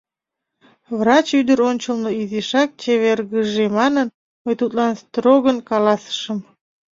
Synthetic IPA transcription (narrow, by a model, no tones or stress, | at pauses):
vrɑt͡ɕyd̪əɾonʲt͡ɕəlˠnəiziʃɑk̚t͡ɕeβerɣəʒemɑnən | məjt̪ut̪lɑnst̪roɣənkɑlɑsə̥ʃəm